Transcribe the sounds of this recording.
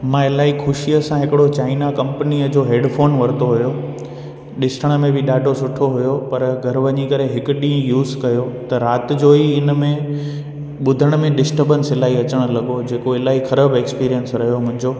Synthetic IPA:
mãɪlaːixʰʊʃijəsãɦɪkɪɽot͡ɕaːɪnakɐ̃mpəniəd͡ʑoːɦeːɖfʰoːnʋɐɾɪt̪oɦʊjo | ɗɪsʈʰəɽ̃ə̆mẽbʱɪɗaːɖʱosʊʈʰoɦʊjopɐɾɡʱɐɾʋɐɲikɐɾeɦɪkʊɗĩːə̃juːzkɐjot̪ɐɾaːt̪ɪd͡ʑoːiɪnəmẽ | ɓʊd̪ʱəɽ̃ə̆mẽɗɪsʈəbənsɪlaːiɐt͡ɕəɽ̃̆lɐɠod͡ʑeːkoɪlaːɦixɐɾəbeːkspiːɾijənsɾɐɦijomʊ̃ɦɪ̃ɲd͡ʑoː

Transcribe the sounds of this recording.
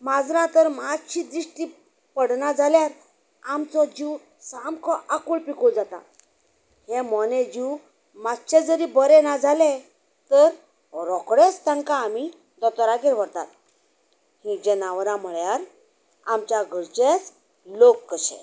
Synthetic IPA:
mad͡zɾãt̪əɾmad͡zt͡ɕid̪ɾiʂʈiː | pəɽnad͡zʱaljaɾ | amt͡sɔd͡ʑi | samkʰɔʔakuɭpikud͡zat̪a̰ | hemɔned͡ʑiw | mad͡zt͡ɕed͡zəɾibəɾenad͡zʱale | t̪əɾ | ɾɔkɽest̪ãŋkaːmi | d̪ɔt̪ɔɾakeɾʋəɾt̪a̰t̪ | hĩd͡ʑɛnaʋɾãm̤əɭjaɾ | amt͡ɕjaɡʱəɾt͡ɕet͡s | lokːəɕḛ̃

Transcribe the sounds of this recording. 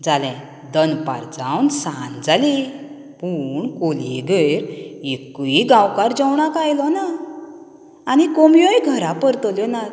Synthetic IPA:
d͡zalɛ̃ | d̪ənpa̰ɾd͡zawnsand͡zali | puɳkoliɡejɾekuiɡãwkaɾd͡zɔwɳakajlɔna | nikɔmjɔjɡʱəɾapəɾt̪ɔljɔna

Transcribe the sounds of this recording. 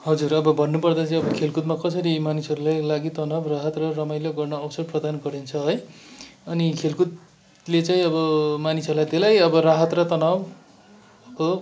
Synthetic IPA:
ɦʌd͡zurʌbʌbʱʌnːupʌrd̪at͡saĩʌbʌkʰelkut̪makʌsʌɾimanisʌɾulajlaɡit̪ʌnabraɦʌt̪rʌrʌmajleɡʌrnʌːbʌsʌrprʌd̪anɡʌɾint͡sʰʌɦʌjʌnikʰelkut̪̚ | let͡saĩʌbʌmanisʌɾulajt̪elajʌbʌraɦʌt̪rʌt̪ʌnab | ko

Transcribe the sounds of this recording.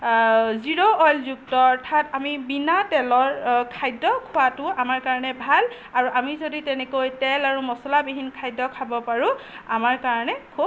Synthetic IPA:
ziɹɔɔjlzuk̚tɔɔɹtʰatamibinatɛlɔɹkʰajdːɔkʰʊwatʊamaɹkaɹɔnɛbʱal | aɹuʔamizoditɛnɛkojtɛlaɹumɔsɔlabiɦinkʰajdːɔkʰabɔpaɹʊ̃amaɹkaɹɔnɛkʰu

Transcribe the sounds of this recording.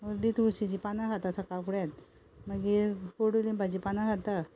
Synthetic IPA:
əɾd̪it̪ʋuɕid͡ʑipanaɡat̪asakakuɽat̪ | məɡikoɽulinbʱad͡ʑipanaɡat̪a

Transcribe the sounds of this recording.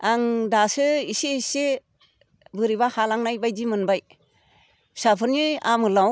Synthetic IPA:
aŋdasɯiseise | bɯɾiβahalaŋnajbajdimɯnbaj | sapʰɯɾniamɯlaw

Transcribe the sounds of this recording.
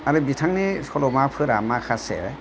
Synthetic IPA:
aɾɯbitʰaŋnisɔlɔmapʰɯɾamakʰasḛ

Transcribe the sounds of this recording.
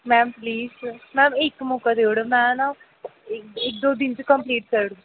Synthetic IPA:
mɛ̃ːmpliːzmɛ̃ːɪkmɔːkad̪eːoɽamɛ̃ːnã | ɪɪk̚d̪oːd̪ɪnt͡ʃəkəmpliːʈkəɾɽu

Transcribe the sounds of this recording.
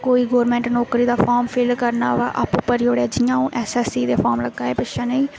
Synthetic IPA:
koːiːɡoːɾmɛ̃ːɳʈnoːkɾiːd̪aːfʰaːɾmpʰeːlkəɾnaːʋa̰ːʔəpʊpəɾoːɽaːd͡ʒɪjãːũːʔɛːsɛːsiːd̪eːfʰɔːɾmləɡːaːeːpɪʃaːnəĩː

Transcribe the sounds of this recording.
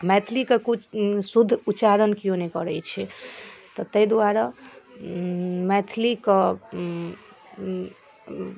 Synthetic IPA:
mɛt̪ʰlikekut͡ʃʰsud̪ʱːuːt͡ʃaɾənkijõnekɔɾət͡ʃʰɛt̪ɔt̪əjd̪waɾa | mɛt̪ʰlikə

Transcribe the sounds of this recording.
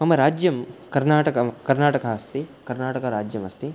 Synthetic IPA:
mɐmɐɾaːd͡ʒjɐmkɐɾnaːʈɐkɐkɐɾnaːʈɐkɐɐst̪ikɐɾnaːʈɐkɐɾaːd͡ʒjɐmɐst̪i

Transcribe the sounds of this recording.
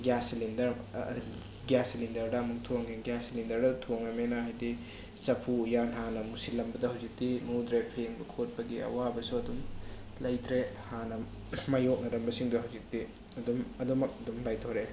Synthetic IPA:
ɡjaslindɐɾ̰ | ɡjasilindɐɾdɐːmuktʰoŋeɡjaslindɐɾdɐtʰoŋɐmenɐɦajdi | t͡ʃɐpʰuːjanɦanɐmusilːɐmbɐdɐhawzik̚dinudɾepʰeŋbɐkʰot̚pɐɡiɐ̰wabɐsuɐdum | lɐjtʰɾehanɐ | majok̚nɐɾɐmbɐsiŋduɦawzik̚ti | ɐdumɐdumɐk̚ɐdumlajtʰoɾe

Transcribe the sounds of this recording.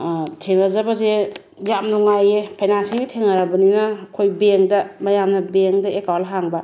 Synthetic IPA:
tʰeŋazɐbaze | jamnuŋajepʰenansiŋɡitʰeŋaɾabɐninɐkʰojbeŋdɐmɐjamnɐbeŋdɐekawlɦaŋbɐ

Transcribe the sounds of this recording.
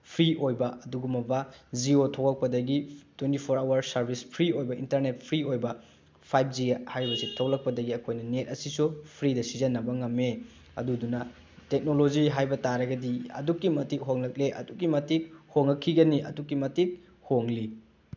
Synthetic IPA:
pʰɾiojbɐɐduɡumɐbɐd͡ʒiotʰoklɐk̚pɐdɐɡitwentipʰoɾawɐɾsɐɾbʱispʰɾiojbɐʔintɐɾnet̚pʰɾiojbɐ | pʰajp̚d͡ʒihajɾibɐsitʰow̚lɐk̚pɐdɐɡiɐkʰojnɐnet̚ɐsisupʰɾidɐsizɐnːɐbɐŋɐme | ɐ̰dudunɐ | tek̚nolod͡ʒiɦajbɐtaɾɐɡɐdiɐ̰dukːimɐtik̚ɦoŋlɐk̚leʔɐ̰dukːimɐtik̚hoŋɐkʰːiɡɐniʔɐ̰dukːimɐtik̚ | hoŋli

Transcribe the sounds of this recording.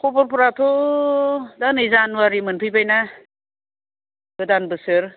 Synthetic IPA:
kʰobɔɾpʰɯɾatʰo | danɯjzanwaɾimɯnpʰɯjbajna | ɡɯdanbɯsɯɾ

